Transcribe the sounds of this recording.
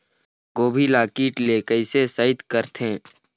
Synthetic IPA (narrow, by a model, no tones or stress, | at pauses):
ɡoːbʱilaːkiːʈleːkəɪsesəɪd̪kəɾt̪ʰẽː